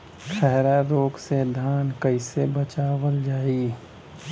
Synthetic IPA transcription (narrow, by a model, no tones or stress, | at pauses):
ʃʰɛɦɾaɾoːksed̪ʱaːnkəɪsebət͡ʃaːwəld͡ʒaːiː